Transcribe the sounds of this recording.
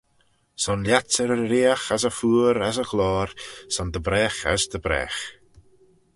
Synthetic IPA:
sɔnljatəɾəɾiaxasəfuːɾasəxlɔːɾsɔnd̪əbɾɛːxa̰sd̪əbɾɛ̰ːx

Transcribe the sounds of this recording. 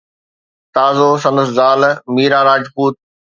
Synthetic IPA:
t̪aːzos̬ɐ̃nd̪əszaːlmiːɾaːɾaːd͡ʑpuːt̪̚

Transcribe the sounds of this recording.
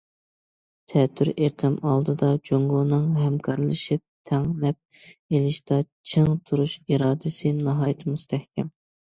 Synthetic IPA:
t̪ʰɛt̪ʰːyɾeɾq̪ʰɪmɑlˠd̪ɨd̪ɑd͡ʒoŋɡonɨŋɦɛmkʰɑɾlˠɨʃip̚t̪ʰæŋlɛp̚elɪʃt̪ɑt͡ʃʰɨŋt̪ʰuɾuʃiɾɑːd̪ɨsɨnɑɦɑːjt̪ʰɨmust̪ʰɛhkʲʰɛm

